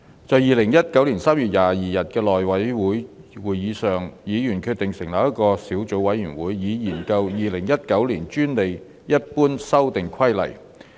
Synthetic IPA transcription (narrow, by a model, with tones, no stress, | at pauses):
t͡sɔː˨˧jiː˨lɪ˨˩ŋjɐ˥t̚kɐ˨˥wliː˨˩nsaː˥mjyː˨˩t̚jaː˨˩jiː˨jɐ˨t̚kɛː˧lɔː˨˩jwɐ˨˥jwuː˨˥jwuː˨˩jjiː˨˧sœː˨˩ŋjiː˨˧jyː˨˩nkʰy˧t̪̚ɪ˨˩ŋsɪ˨˩ŋlɐː˨˥jɐ˥t̚kɔː˧siː˨˥wt͡so˨˥wɐ˨˥jːyː˨˩nwuː˨˥jjiː˨˧jiː˨˩nkɐ˧wjiː˨lɪ˨˩ŋjɐ˥t̚kɐ˨˥wliː˨˩nt͡ʃyː˥nle˨j | jɐ˥t̚puː˥nsɐ˥wt̪ɪ˨ŋkʰɐ˥jlɐ̰˨˩j